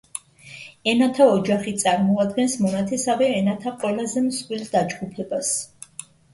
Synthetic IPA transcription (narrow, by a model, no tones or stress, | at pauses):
ɛnat̪ʰaɔd͡ʒaχit̪sʼaɾmɔad̪ɡɛnsmɔnat̪ʰɛsavɛɛnat̪ʰaqʼwɛlazɛmswild̪ad͡ʒɡupʰɛbas